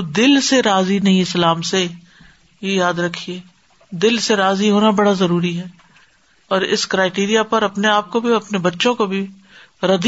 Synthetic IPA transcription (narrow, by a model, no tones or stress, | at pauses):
d̪ɪlseɾaːzinɐɦĩɪslaːmse | ejaːd̪ɾɐkʰːieː | d̪ɪlseɾaːziɦoːnabɐɽazɐɾuːɾiɦɛː | ɔːɾɪ̰skɾaːɪʈeːɾijapɐɾɐpneaːp̚kobʱiɐpnebɐtːʃõkobʱi | ɾɐd̪